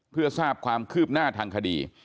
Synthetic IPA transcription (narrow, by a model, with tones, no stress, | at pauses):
pʰɯ˥˩ɐsaː˥˩p̚kʰwaː˧mkʰɯː˥˩p̚naː˥˩t̪ʰaː˧ŋkʰa˧dḭː˧